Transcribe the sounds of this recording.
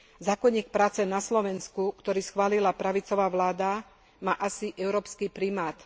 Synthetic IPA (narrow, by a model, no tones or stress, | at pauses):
zaːkɔɲiːk̚pɾaːt͡sɛnaslɔʋɛnskukt̪ɔɾiːsxʋaːlilapɾaʋit͡sɔʋaːʋlaːd̪a | maːʔasiʔɛʊɾɔːpskipɾimaːt̪